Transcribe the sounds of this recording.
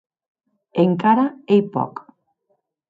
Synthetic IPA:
eŋkaɾaejpo̰k

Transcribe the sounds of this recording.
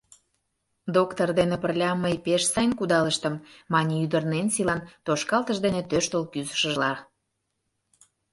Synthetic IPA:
d̪okt̪ord̪enepərlʲɑməjpeʃsɑjnkud̪ɑləʃt̪ə̆mːɑnʲiyd̪ərnensilɑnt̪oʃkɑlt̪əʒd̪enet̪øʃt̪olkyzə̥ʃəʒlɑ

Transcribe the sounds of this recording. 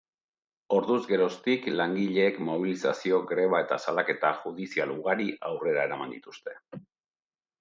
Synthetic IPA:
o̞ɾðuzɡe̞ɾo̞st̪iklaŋɡiʎe̞ːkmo̞β̞ilisa̰sio̞ɡɾe̞β̞ae̞t̪asalake̞t̪aʝuðisialuɣaɾiʔawre̞ɾae̞ɾamand̪it̪u̥st̪e̞

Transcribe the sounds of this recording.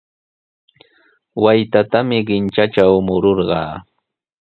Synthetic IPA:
wajt̪at̪amɪɢɪnt͡ʃat͡ʃawmʊɾoɾɢɑ̰ː

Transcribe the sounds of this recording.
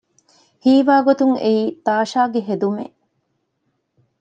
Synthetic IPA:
hiːʋaːɡot̪uŋeiːt̪aːʃaːɡeɦed̪umḛ

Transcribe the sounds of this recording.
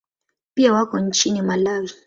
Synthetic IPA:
piawakɔn̩t͡ʃinimalazi

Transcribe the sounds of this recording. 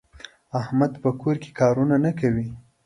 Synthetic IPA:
ahmad̪pəkoɾke̥kɑɾunanakawi

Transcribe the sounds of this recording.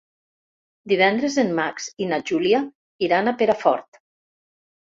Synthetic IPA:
d̪iβɛnd̪ɾezenmaksinaʒulia | iɾanapeɾafɔɾt̪

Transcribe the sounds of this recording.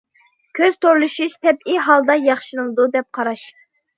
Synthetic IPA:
kʲʰøz̥t̪ʰoɾlˠɨʃiʃt̪ʰɛbiɦɑlˠd̪ɑjɑχʃɨnɨlˠɨd̪ud̪ɛp̚qʰɑɾɑʃ

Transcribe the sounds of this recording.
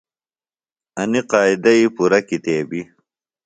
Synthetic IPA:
ɐniqaːid̪ɐipuɾɐkit̪eːbi

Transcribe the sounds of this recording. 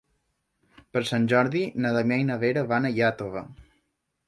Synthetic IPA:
pəɾsanʲd͡ʒɔɾðinəðamjajnəβeɾəβanəjat̪oβə

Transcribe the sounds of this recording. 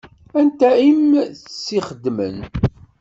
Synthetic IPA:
ænt̪æimθsːiχəd̪mə̰n

